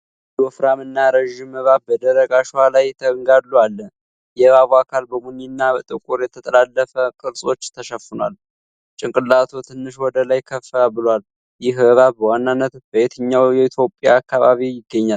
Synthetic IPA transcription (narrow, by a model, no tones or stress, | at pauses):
d̪wɔfɾamɨnːaɾəʒɪmːəβabəd̪əɾəɡaʃwalajt̪ʰəŋɡalːualː | jɛβaβuakʰalbəmuninːabət̪ʼɨkʼuɾjɛt̪ʰət̪ʼəlalːəfəkʼɨlsʼo̞t͡ʃːt̪ʰəʃəfɨnowa̰l | t͡ʃʼɪŋkʼɨlːat̪ʰot̪ʰɨnːɨʃwɔd̪əlajkʰəfːəbɨlwal | jɪɦbəβabəwanːanːət̪bəjet̪ʰəɲːawjɛit̪ʰjo̞pʼja̰ːkːaβaβijɪɡːəɲːal